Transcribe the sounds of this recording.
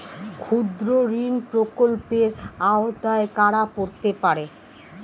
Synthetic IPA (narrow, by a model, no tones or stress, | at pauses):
kʰud̪ɾoɾinpɾokolpeɾaot̪aekaɽapoɾt̪epaɾe